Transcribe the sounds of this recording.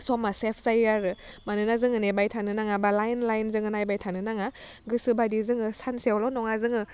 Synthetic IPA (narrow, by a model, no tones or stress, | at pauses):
sɔmasepʰzajaɾɯ | manɯnazɯŋɯnebajtʰanɯnaŋabalajnlajnzɯŋɯnajbajtʰanɯnaŋa | ɡɯsɯbadizɯŋɯsansewlɔnɔŋazɯŋɯ